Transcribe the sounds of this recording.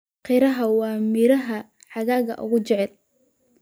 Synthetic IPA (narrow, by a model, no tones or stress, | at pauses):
qɪɾɐɦɐwɑːmɪɾɐɦɐ | ħɑɣaːɣɐ̰ʔʊ̰ɣʊt͡ʃɛʕɛl